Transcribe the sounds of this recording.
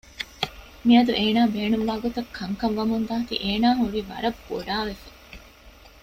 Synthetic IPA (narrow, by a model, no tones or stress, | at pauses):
miɐd̪uʔeːnaːbeːnumʋaːɡot̪ɐkʰːɐŋkɐʋːɐmund̪aːt̪ḭʔeːnaːɦuɾiːʋɐ̰ɾɐb̥o̰ɖaːʋefɐ